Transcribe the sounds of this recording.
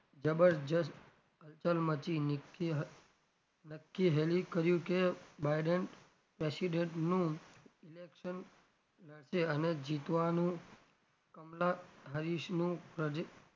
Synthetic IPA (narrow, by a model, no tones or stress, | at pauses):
d͡ʒəbəɾd͡ʒəs | əlt͡ʃəlmət͡ʃi | nəkːiɦelikəɾjũkebaiɖəɳ | pɾesiɖẽɳʈnũilekʃən | ləɽʃeəned͡ʒit̪ʋanũ | kəmlaɦəɾiʃnũpɾəd͡ʒ